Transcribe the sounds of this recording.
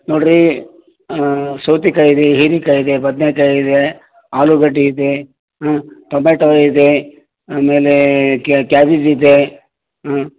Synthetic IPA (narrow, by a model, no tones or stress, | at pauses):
noːɽɾi | soːt̪ikɐjid̪eɦiːɾikɐjid̪ebɐd̪nekɐjid̪e | aːluɡɐɖːiːd̪e | ɦt̪ɔmeːʈaid̪e | ameːlekkjaːbid͡ʒid̪e